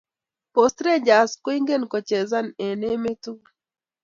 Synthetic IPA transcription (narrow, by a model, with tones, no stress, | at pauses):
po˨stɾe˦d͡ʒa˨sko˦i˦ŋɡe˦˨nkɔ˨t͡ʃɛ˨za˦ne˨ne˦me˦tu˦